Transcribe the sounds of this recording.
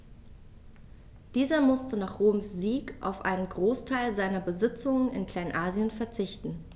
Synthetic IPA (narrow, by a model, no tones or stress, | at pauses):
d̥iːzɐmʊstənaːχʁ̥oːmsz̥iːkʔa̰ʊfʔa̰ɪnənɡʁoːstʰaɪlzaɪnɐbəzɪt͡sʊŋənɪ̰nkʰl̥aɪnʔaːzjənfɛɐt͡sɪçtn̩